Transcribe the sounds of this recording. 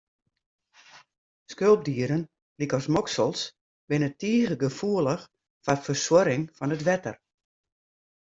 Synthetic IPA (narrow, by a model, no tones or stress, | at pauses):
skølˠp̚diəɾən | likɔsmɔksəlˠs | bɪnətiəɣəɡəfuəlˠəx | farfərswɔɾɪŋfɔnətʋɛtə̰r